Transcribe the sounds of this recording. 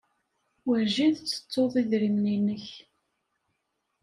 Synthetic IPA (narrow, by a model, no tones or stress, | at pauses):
wəɾʒiðt͡sːə̥t͡sˤːoðˤiðɾimninəç